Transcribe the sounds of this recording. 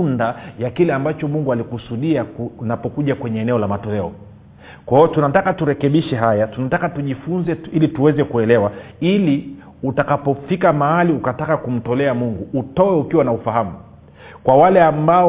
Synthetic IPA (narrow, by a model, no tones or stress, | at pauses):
ndajakilɛambat͡ʃɔmuŋɡualikusuɗianapɔkuʄakwɛɲɛːnɛɔlamatɔlɛɔ | kwahiɔtunatakatuɾɛkɛɓiʃɛɦajatunatakatuʄifunzɛilituwɛzɛkuɛlɛwa | ili | utakapɔfikamaaliukatakakum̩tɔlɛamuŋɡuːtɔwɛukiwanaufaɦamu | kwawalɛamba